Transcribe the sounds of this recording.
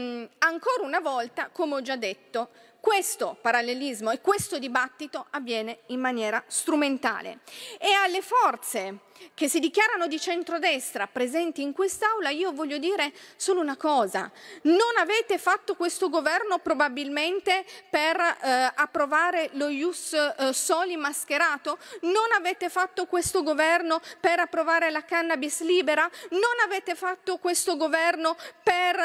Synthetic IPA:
aŋkoːɾaunavɔlt̪akomeɔd͡ʒad̪ːet̪ːo | kwest̪opaɾalːelizmoekːwest̪od̪ibat̪ːit̪oavːjɛːneimːanjɛːɾast̪ɾument̪a̰ːlḛealːefɔrt̪sek̟esːid̪ikjaːɾanod̪it͡ʃɛnt̪ɾod̪ɛst̪ɾapɾezɛnt̪iːŋkwest̪awlaiːovɔʎːod̪iːɾesoːlounakɔːza̰nonavɛːt̪efat̪ːokwest̪oɡovɛrnopɾobabilment̪eperapːɾovaːɾelojussɔːlimːask̟eɾaːt̪ononavɛːt̪efat̪ːokwest̪oɡovɛrnopeɾapːɾovaːɾelakanːabisliːbeɾanonavɛːt̪efat̪ːokwest̪oɡovɛrnoper

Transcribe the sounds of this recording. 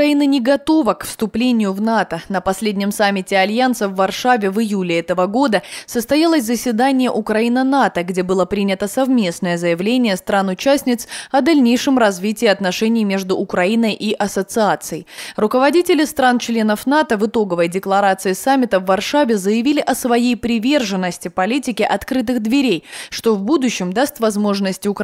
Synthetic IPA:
ɐinɨnʲɪɡɐt̪o̞vəkfst̪ʊplʲenʲɪjʊvnat̪ənəpɐsʲlʲedʲnʲɪmsamʲːɪtʲɪɐlʲjant̪səvːɐrʂavʲɪvɨjulʲɪɛt̪əvəɡo̞d̪əsəst̪ɐjalˠəsʲzəsʲvʲɪd̪anʲɪjəʔʊkɾɐinənat̪əɡdʲe̞bɨlˠəpɾʲinʲɪt̪əsɐvmʲe̞snəjəzəjɪvlʲenʲɪjəst̪ɾanʊt͡ɕasʲnʲɪt̪sɐd̪ɐlʲnʲejʂɨmrɐzvʲitʲɪːɐt̪nɐʂɛnʲɪjmʲe̞ʐd̪ʊʔːkɾɐinəjʔiʔɐsət̪sɨat̪sɨjɪrʊkəvɐdʲitʲɪlʲɪst̪ɾant͡ɕlʲe̞nəfnat̪əvɨt̪o̞ɡəvəjdʲɪklˠɐɾat̪sɨɪsamʲːɪt̪əvːɐrʂavʲɪzəjɪvʲilʲɪʔɐsvɐjejpɾʲɪvʲe̞rʐɨnːəsʲtʲɪpɐlʲitʲɪkʲɪʔɐt̪kɾɨt̪̬ɨɣd̪vʲɪɾʲejʂt̪ovbud̪ʊɕːɪmd̪ast̪vɐzmo̞ʐnəsʲtʲʊk

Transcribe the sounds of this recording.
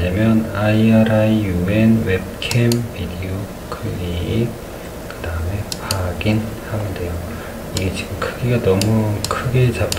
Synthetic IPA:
ɲamjʌnaiaɾaijuenwep̚kʰembidio | kʰɯi | kɯdaɯme̞paɡinhamɯnde̞jo | iɡe̞t͡ɕiɡɯmkʰɯɡiɡanʌmukʰɯɡe̞t͡ɕap̚t

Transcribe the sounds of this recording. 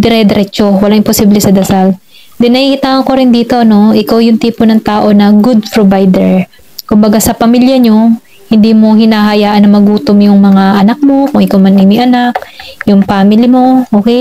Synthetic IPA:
d̪ɛɾɛd̪ɛɾɛt͡ʃo̞wɐlaŋʔɪmposiblɛsɐd̪ɐsal | d̪ɪnɐhikɪt̪aːŋɐŋko̞ɾɪnd̪iːt̪o̞ʔɐno̞ʔɪkawjʊŋt̪iːponɐŋt̪aːʔo̞nɐɡud̪̚pɹovajd̪ɛɹ | kʊmbɐɡasɐpɐmiljɐɲo̞ | hɪnd̪iːmo̞hɪnaːɦɐjaːʔɐnːɐŋmɐɡuːt̪omjʊŋmɐŋaʔɐnak̚mo̞kʊŋʔɪkawmɐnɪmɪʔɐnak̚jʊŋpaːmɪlɪmo̞ʔoːkɛj

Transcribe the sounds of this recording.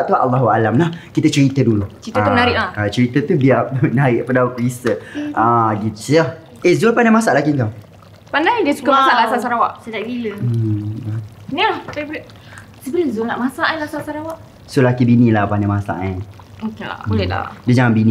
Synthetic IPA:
ʔt̪ua̰lːaɦua̰lamlahkit̪ət͡ʃəɾit̪əduluəɾit̪əanaɾɪʔlakat͡ʃəɾit̪ət̪ubiap̚naɾɪʔpədaukisəaɡit̪u̥sah | ezolpandamasaʔlakiŋkaw | pandajdiəsukamaaʔlaaʔsaɾawaʔsad͡ʒaʔɡiləə | nilahpebl | səbələzonaʔmasaʔalasaʔsaɾawaʔ | solakibinilahpandamasa̰ʔan | okea̰lɛla̰diəd͡ʒaŋanbinĩ

